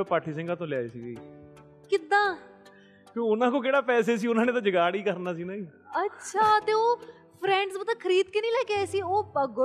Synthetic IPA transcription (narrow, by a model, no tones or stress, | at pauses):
paːʈʰiːsɪ̃ŋɡaːt̪õːlɪjaːiːsiːɡiː | kɪd̪ãː | kjõːʊnãːkõːkeːɽaːpɛːs̬eːs̬iːʊnãːnẽːt̪ãːd͡ʒəɡaːɽiːkəɾnaːsiːnaːĩː | ətːʃʰaːt̪eːoː | pʰɾɛ̃ːɳɖsbət̪ãːkʰəɾiːd̪keːnĩːlɛːkeaːsiːoːpəɡ